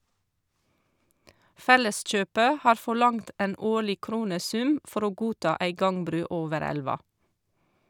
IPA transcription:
ˈfɛləˌsc͡çøːpə ˈhɑːɾ ˌfɔˈɭɑŋt ˈʔeːn ˈoːɭɪ ˈkɾuːnəˌsʉm ˈfɔɾ ˈoː ˈɡuːˌtɑː ˈæɪ ˈɡɑŋˌbɾʉː ˈoːʋəɾ ˈælʋɑ

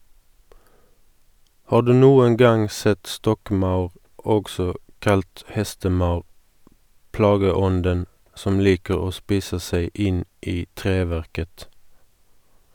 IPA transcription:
ˈhɑːʁ ˈdʉː ˈnuːəŋ ˈɡɑŋ ˈsɛt ˈstɔkˌmɑʉʁ ˈɔɡsɔ ˈkɑlt ˈhɛstəˌmɑʉʁ ˈplɑːɡəˌɔndən ˈsɔm ˈliːkəʁ ˈoː ˈspiːsə ˈseɪ ˈɪn ˈiː ˈtʁeːˌʋæʁkət

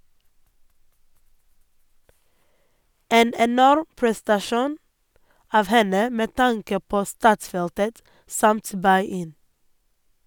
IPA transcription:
ˈeːn ɛˈnɔɾ pɹɛstɑˈʃuːn ˈɑːʋ ˈhɛnə ˈmeː ˈtɑŋkə ˈpoː ˈstɑːtˌsfɛltət ˈsɑmt ˈbɑɪ ˈɪn

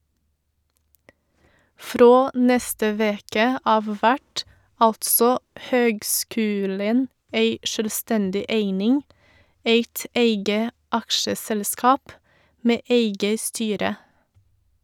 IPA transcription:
ˈfɾoː ˈnɛstə ˈʋeːkə ˈɑːʋ ˈʋæʈ ˈɑltsɔ ˈhøːɡˌskʉːlən ˈeɪ ʃœlˈstɛndɪ ˈeɪnɪŋ ˈeɪt ˈeɪɡə ˈɑkʃəˌsɛlˌskɑːp ˈmeː ˈeɪɡə ˈstyːɾə

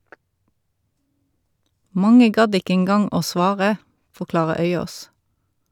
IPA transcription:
ˈmɑŋə ˈɡɑd ˈɪkə ɛnˈɡɑŋ ˈoː ˈsʋɑːʁə fɔʁˈklɑːʁə ˈœʏˌoːs

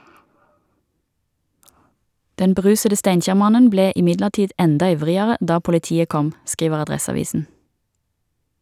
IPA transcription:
ˈdɛn bəˈʁʉːsədə ˈstæɪnˌçæːʁˌmɑnən ˈbleː ɪˈmɪdləʁˌtiːd ˈɛndɑ ˈɪʋʁɪəʁə ˈdɑː pʊlɪˈtiːə ˈkɔm ˈskiːʋəʁ ɑˈdʁɛsɑˌʋiːsn̩

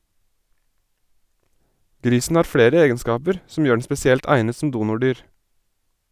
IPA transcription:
ˈɡɾiːsn̩ ˈhɑːɾ ˈfɽeːɾə ˈeːɡənˌskɑːpəɾ sm̩ ˈjøː ɳ̩ spɛsɪˈɛlt ˈæɪnə sm̩ ˈduːnʊˌɖyːɹ

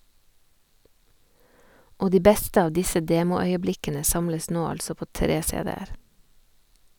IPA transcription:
ˈoː ˈdiː ˈbɛstə ˈɑːʋ ˈdɪsə ˈdeːmʊˌœʏəˌblɪkənə ˈsɑmləs ˈnoː ˈɑʎsɔ ˈpoː ˈtɾeː ˈseːˌdeːəɾ

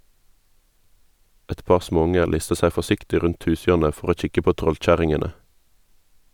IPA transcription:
ˈɛt ˈpɑʁ ˈsmoːˌʊŋə ˈlɪstə ˈsæ fɔˈsɪktɪ ˈʁʉnt ˈhʉːˌsjøːʁnə ˈfɔʁ ˈoː ˈc͡çɪkə ˈpoː ˈtʁɔlˌc͡çæʁɪŋənə

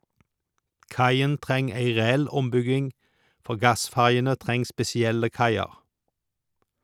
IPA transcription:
ˈkɑɪən ˈtʁɛŋ ˈæɪ ʁɛˈɛl ˈɔmˌbʏɡɪŋ ˈfɔʁ ˈɡɑˌsfæʁjənə ˈtʁɛŋ spɛsɪˈɛlə ˈkɑɪɑʁ

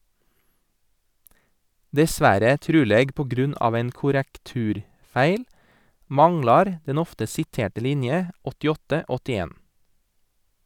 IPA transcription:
dɛˈsʋæɾə ˈtɾʉːleːɡ pɔˈɡɾʉnɑːʋ ˈæɪn kʊɾəkˈtʉːɾˌfæɪl ˈmɑŋlɑɾ ˈdɛn ˈɔftə sɪˈteːʈə ˈlɪnjə ɔtɪˈɔtə ˈɔtɪˌeːn

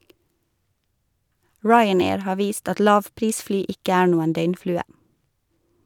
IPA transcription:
ˈɹɑɪəˌneːɹ ˈhɑː ˈʋiːst ˈɑt ˈlɑːʋˌpɾiːsˌflyː ˈɪkə ˈæːɾ ˈnuːən ˈdœʏnˌflʉːə

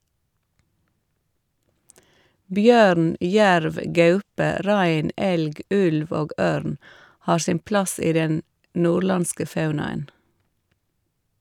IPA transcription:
ˈbjøːɾn ˈjæɾʋ ˈɡɑʉpə ˈɾæɪn ˈɛlɡ ˈʉlʋ ˈoːɡ ˈøːɾn ˈhɑːɾ ˈsɪm ˈplɑs ˈiː ˈdɛn ˈnuːɾˌlɑnskə ˈfɑʉnɑən

